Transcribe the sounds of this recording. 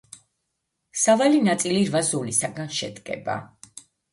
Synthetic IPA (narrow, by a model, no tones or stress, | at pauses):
savalinat̪sʼiliɾvazulisaɡanʃɛd̪ɡʼɛ̰ba̰